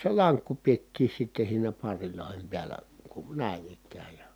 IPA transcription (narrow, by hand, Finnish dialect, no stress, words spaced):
se lɑŋkːu pietːiː sitːe siːnæ pɑrːiloˑihem piælˑæ kun̞ næˑin ikˑæːj jɑ